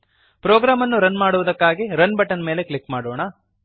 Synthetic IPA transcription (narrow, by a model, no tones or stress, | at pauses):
pɾoːɡɾaːmɐnːuɾɐnmaːɽuʋud̪ɐkːaːɡiɾɐnbɐʈːɐnme̞ːle̞klikːmaːɽoːɳɐ